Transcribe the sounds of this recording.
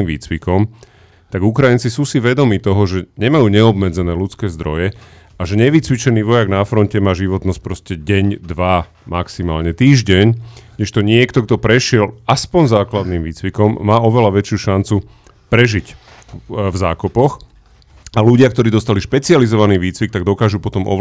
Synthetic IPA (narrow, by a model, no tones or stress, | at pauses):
imʋḭːt͡sʋikɔm | t̪aɡukɾajint͡sisuːsiʋɛd̪ɔmiːt̪ɔɦɔʒɛɲɛmajuːɲɛɔbmɛd͡zɛnɛːlut͡skɛːzd̪ɾɔ̰jɛ | aʒɛɲɛʋit͡sʋit͡ʃɛniːʋɔjaɡnafɾɔncɛmaːʒiʋɔt̪nɔsc̚pɾɔscɛɟɛɲd̪ʋa | maksimaːlɲɛt̪iːʒɟɛɲɲɛʃt̪ɔɲɪɛkt̪ɔɡd̪ɔpɾɛʃɪɛlaspɔɲzaːklad̪niːmʋiːt͡sʋikɔmːaːɔʋɛlaʋɛt͡ʃɪuːʃant͡su | pɾɛʒic | vzaːkɔpɔx | aluɟɪakt̪ɔɾiːd̪ɔst̪aliʃpɛt͡sializɔʋaniːʋiːt͡sʋik̚t̪aɡd̪ɔkaːʒupɔt̪ɔmʔɔ̰